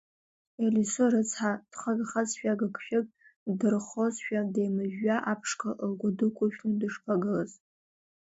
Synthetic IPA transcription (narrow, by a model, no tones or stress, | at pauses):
elisoɾɨt͡sʰħad̥χaɡaχazʃᶣaɡɨkʷʰʃᶣɪkʼ | dɨrχozʃᶣadejmɨʒːaʔapʰʂkʰaʔlɡʷadɨkʷʼʊʃᶣnudɨʂpʰaɡɨlaz